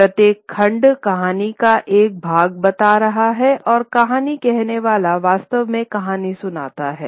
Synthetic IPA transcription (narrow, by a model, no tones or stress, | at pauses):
ɾɐt̪jeːkʰːɐ̃ɳɖkɐɦaːnikaʔeːk̚bʱaːɡ̚bɐt̪aɾɐɦaɦɛʔɔːɾkɐɦaːnikɛɦneʋaːlaʋaːst̪əʋmẽkɐɦaːnisʊna̰ːt̪aɦɛː